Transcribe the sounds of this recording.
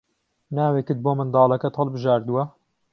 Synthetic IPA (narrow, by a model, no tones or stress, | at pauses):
naːwekɨt̪̚boːmɨnd̪ɑːlˠɐkɐt̪hɐlbɨʒaːɾd̪uwɐ